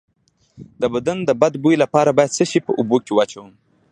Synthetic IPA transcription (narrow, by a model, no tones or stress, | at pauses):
d̪əbad̪and̪əbad̪bujlapɑɾabɑjad̪səʃipəʔubokewat͡ʃawəm